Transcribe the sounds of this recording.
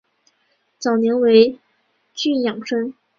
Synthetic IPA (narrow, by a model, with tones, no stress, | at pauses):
t͡sɑ˨˩ʊnjɛ˧˥ŋwe˧˥ɪ | t͡ɕy˥˩njɑ˨˩ŋʈ͡ʂʰɤ˥ŋ